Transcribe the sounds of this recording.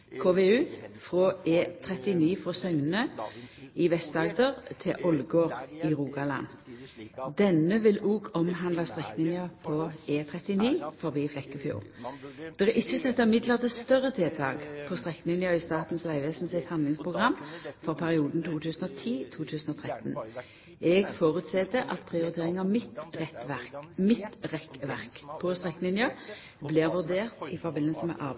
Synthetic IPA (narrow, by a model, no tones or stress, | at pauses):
kʰoːʋeʉːfʁoːʔeːt̪ʰʁɛt̪ɪniːfɔsœŋnə | ɪʋɛst̪ɑːɡ̚d̪əʁt̪ʰɪʔɔlɡoːʁiʁuːɡɑlɑ̰n | d̪ɛnəʋɪluːɡɔmɦɑnlɑst̪ʁɛknɪnɪɑpʰɔeːt̪ʰʁɛt̪ɪniːfɔʁbiːflɛkːəfjṵːʁd̪̥ɛʁəʔɪçəsɛt̪ːəmɪd̪lɑʁd̪ɛst̪œʁət̪ʰɪːt̪ʰɑ̰ːɡpʰɔst̪ʁɛkːlɪnjəɪst̪ɑːt̪n̩sʋæɪʋeːsn̩sɪt̪hɑnd̪lɪŋspʰʁʊɡʁɑmːfɔʁpʰæʁɪuːd̪n̩t̪ʰuːt̪ʰʉːsn̩ɔt̪ʰiːt̪ʰuːt̪ʰʉːsn̩ɔt̪ʰʁɛt̪n | ɛɡfoːʁʉt̪sɛt̪əʔɑt̪pʰʁɪʊʁɪt̪ʰeːʁɪŋɑmɪt̪ʁɛt̪ʋæmɪt̪ʁɛkʋæʁkpʰɔst̪ʁɛkːlɪnjə | blɪːʁʋʉʁd̪eːʁt̪ɪfɔʁbɪnːəlsəmɛ̰ʔɑ̰ː